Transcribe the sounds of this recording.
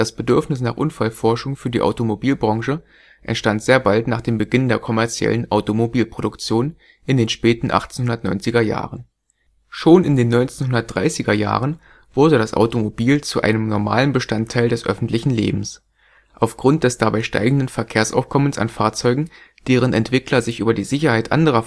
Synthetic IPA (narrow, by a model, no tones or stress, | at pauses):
d̥asb̥ədʏɐfnɪsnaːχʔʊnfalfɔɐʃʊŋfyːɐdiːʔa̰ʊtomobiːlbʁɑŋʃə | ʔɛ̰ntʃtantz̥eːɐbaltnaːχd̥eːmbəɡɪndeːɐkʰɔmɛɐt͡sjɛ̰lənʔaʊtomobiːlpʁ̥oɾʊkt͡sjoːn | ʔɪndeːnʃpɛːtn̩ʔa̰χt͡seːnhʊndɐtnɔ̰ʏnt͡sɪɡɐja̰ːʁən | ʃoːnɪndeːnːɔʏnt͡seːnɦʊndɐt̚d̥ʁa̰ɪsɪɡɐja̰ːʁ̞ən | v̥ʊɐdəɾasʔa̰ʊtomobiːlt͡suʔa̰ɪnəmnɔɐma̰ːlənbəʃtantʰːaɪldɛsʔœ̰fn̩tlɪçn̩lḛːbm̩s | ʔaʊfɡ̥ʁʊnt̚d̥ɛsd̥abaɪʃta̰ɪɡŋ̩dənfɛɐkʰeːɐsʔa̰ʊfkʰɔmənsa̰nfaːɐt͡sɔʏɡŋ̩d̥eːʁ̞ənɛ̰ntv̥ɪklɐzɪçʔyːbɐdiːzɪçɐhaɪtʔa̰ndəʁ̞ɐ